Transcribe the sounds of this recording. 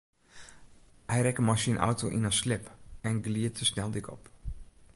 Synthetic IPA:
hɛjɾɛkəmasiənʔɔ̰wtoʔinaslɪpɛnɡliətʰəsnɛlˠdɪkɔ̰p

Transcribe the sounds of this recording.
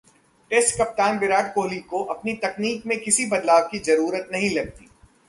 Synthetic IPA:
ʈeːsʈkɐp̚t̪aːnbɪɾaːʈ̚koːlikoʔɐpnit̪ɐkniːk̚mẽkɪsibɐd̪laːbkizɐɾuːɾət̪nɐɦĩlɐɡ̚t̪iː

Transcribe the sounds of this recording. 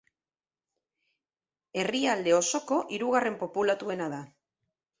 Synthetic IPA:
e̞riald̪e̞o̞so̞ko̞ʔiɾuɣ̞are̞mpo̞pulat̪ue̞naða

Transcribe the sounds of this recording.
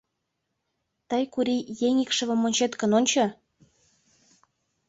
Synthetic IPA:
t̪əjkuɾijeŋikʃə̆βə̆monʲt͡ɕet̪kə̆nonʲt͡ɕo

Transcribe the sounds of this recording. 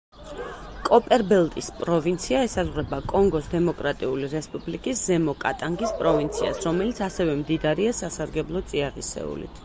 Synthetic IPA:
kʼɔpʼɛɾbɛlˠt̪ʼispʼɾɔvint̪sʰiaɛsazʁwɾɛbakʼɔŋɡɔsd̪ɛmɔkʼɾat̪ʼiuliɾɛspʼublikʼiszɛmɔkʼat̪ʼaŋɡispʼɾɔvint̪sʰia̰sɾɔmɛlit̪sʰasɛvɛmd̪id̪aɾiasasaɾɡɛblˠɔt̪sʼiaʁisɛ̰ṵlḭt̪ʰ

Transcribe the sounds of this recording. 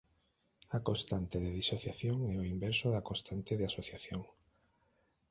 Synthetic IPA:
akost̪ant̪eðeðisoθjaθjoŋɛoimbɛɾsoðakõst̪ant̪eðeasoθjaθjoŋ

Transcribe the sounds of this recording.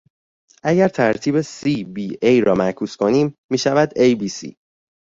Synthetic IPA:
ʔæɟæɾt̪ʰæɾt̪ʰiːbesiːbiejɾɒːmækʰuːskʰo̞niːmːiːʃævæd̪ejbiːsḭː

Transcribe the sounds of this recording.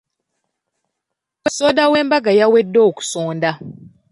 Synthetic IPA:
wɛsodawembaɡajawedoku̥soːnda

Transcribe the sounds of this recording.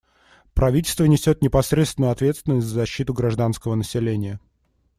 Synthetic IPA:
pɾɐvʲitʲɪlʲst̪vənʲɪsʲo̞t̪̚nʲɪpɐsɾʲet̪st̪vʲɪnʊjʊɐt̪vʲe̞t̪st̪vʲɪnəsʲtʲzəzɐɕːit̪ʊɡɾɐʐd̪anskəvənəsʲɪlʲenʲɪjə

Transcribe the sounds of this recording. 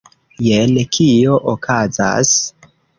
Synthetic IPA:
jelekʰio̞ʔokʰaza̰s

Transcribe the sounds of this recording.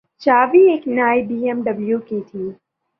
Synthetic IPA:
t͡ʃaːʋiːeːknaːjbiːemɖəbljuːkit̪ʰiː

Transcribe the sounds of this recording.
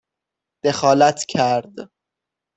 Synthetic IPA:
d̪̥e̞xɒːlæt̪ʰcʰæɾd̪

